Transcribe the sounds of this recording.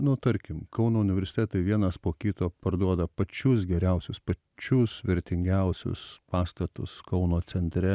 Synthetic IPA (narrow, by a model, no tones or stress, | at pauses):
nʊt̪ɐɾʲkʲɪmkɐʊnoːʊnʲɪʋʲɛɾʲsʲɪ̥t̪ʲɛt̪ɐɪʋʲiɛnɐspoːkʲiːt̪oːpɐɾd̪uɔd̪ɐpɐt͡ʃʲʊs̬ɡʲɛɾʲɛʊsʲʊspɐ | t͡ʃʲʊsʋʲɛɾʲt̪ʲɪŋʲɡʲɛʊsʲʊ̰spɑːst̪ɐt̪ʊ̰skɐʊnoːt͡sʲɛnʲt̪ʲɾʲɛ